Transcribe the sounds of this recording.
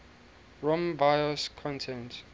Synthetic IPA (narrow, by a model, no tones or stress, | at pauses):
ɹɔ̃mbajɔskʰɔ̃ntʰɛ̃nt